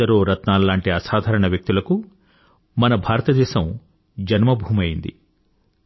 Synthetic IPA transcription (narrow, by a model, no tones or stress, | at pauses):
ɐɾoːɾɐt̪naːllːaːɳʈiɐsaːd̪ʱaːɾɐɳɐʋjɐk̚t̪ulɐku | mɐnɐbʱaːɾɐt̪ɐd̪ɛːʃɐm | d͡ʒɐnmɐbʱuːmɐjind̪ḭ